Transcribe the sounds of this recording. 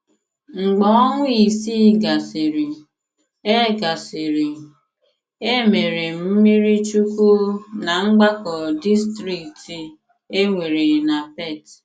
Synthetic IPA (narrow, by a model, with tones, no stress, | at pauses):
ŋ͡m̩˨ɡ͡bɔ˨˦ɔ˦ŋʷʊ˦i˨si˦ɡa˨si˨ɾi˨ | e˦ɡa˨si˨ɾi˨ | e˦me˨ɾe˨m̩˦mi˦ɾi˦t͡ʃu˦ku˦na˨ŋ͡m̩˦ɡ͡ba˦kɔ˨di˦stɾi˨kti˨ | e˦ŋʷe˨ɾe˨na˨pɛ˦˨t